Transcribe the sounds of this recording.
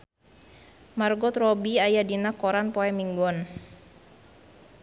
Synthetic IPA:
marɡɔt̪rɔbiajadinakɔɾanpɔɛmiŋɡɔn

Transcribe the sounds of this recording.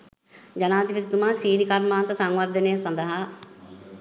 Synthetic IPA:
d͡ʒɐnaːd̪ipit̪t̪umãːsiːnikɐɾmaːnt̪ɐsɐ̃ŋʋɐd̪ɐneːsɐnd̪aɦa

